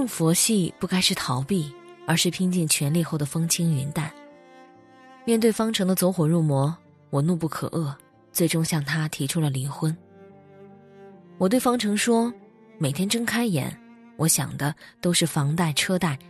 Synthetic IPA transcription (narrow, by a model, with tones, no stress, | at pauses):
ʈ͡ʂɤ˥˩ŋfɔ˧˥ɕi˥˧pu˥˩ka˥ɪʂɻ̩˥˩t̪ʰɑ˧˥ʊpi˥˩ə˞˧˥ʂɻ̩˥˩pʰi˥ŋt͡ɕi˥˩ŋt͡ɕʰɥɛ˧˥nli˥˧xo˥˩ʊd̪ə˩fɤ˥ŋt͡ɕʰi˥ŋɥy˧˥nt̪a˥˩n | mjɛ˥˧nt̪we˥˩ɪfɑ˥ŋʈ͡ʂʰɤ˧˥ŋd̪ə˧t͡swɔ˧˥xwɔ˨˩ɻu˥˩mwɔ˧˥ | wɔ˨˩nu˥˧pu˥˩kʰɤ̰˨˩ʔɤ˥˩ | t͡swe˥˩ɪʈ͡ʂʊ˥ŋɕjɑ˥˩ŋt̪ʰa˥t̪ʰi˧˥ʈ͡ʂʰu˥lə˨li˧˥ŋxwə˥n | wɔ˨˩we˥˩ɪfɑ˥ŋʈ͡ʂʰɤ˧˥ŋʂwɔ˥ | me˨˩ɪt̪ʰjɛ˥nʈ͡ʂɤ˥ŋkʰa˥ɪjɛ̰˧˥˦n | wʔɔ˧˥ɕjɑ̰˨˩ŋd̪ə˦t̪o˥ʊʂɻ̩˥˩fɑ˧˥ŋt̪a˥˩ɪʈ͡ʂʰɤ˥t̪a˥˩ɪ